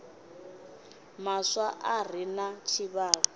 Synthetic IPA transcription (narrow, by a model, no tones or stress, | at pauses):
maswaʔar̤inat͡ʃʰiβaːɺɔ